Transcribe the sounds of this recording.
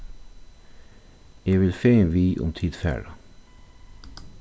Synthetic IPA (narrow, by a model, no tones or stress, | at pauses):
eːʋɪlfeːenʋiːʔʊ̰mt̪ʰiːd̪fæ̰ːɖɑ